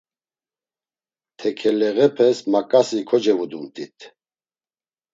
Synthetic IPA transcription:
t̪ʰɛkʰɛlɛɣɛpʰɛsmakʼasikʰɔd͡ʒɛvud̪umt̪ʼit̪ʰ

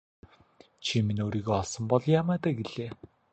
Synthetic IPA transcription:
t͡ɕʰiminoːɾiːɣeːɔsɞ̆mpɔɮjaːmæːt̪aːɡeɮeː

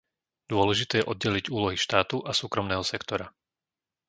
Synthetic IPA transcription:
d̪̥ʊɔlɛʒit̪ɛːjɛʔɔd̪̚ɟɛliɟuːlɔɦiʃt̪aːt̪uʔasuːkɾɔmnɛːɦɔsɛkt̪ɔɾa

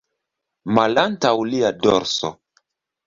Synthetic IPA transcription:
malantawliadɔ̰ɾso̰

